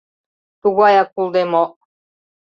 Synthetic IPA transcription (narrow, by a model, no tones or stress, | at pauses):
t̪uɣɑjɑk̚ulˠd̪emoʔ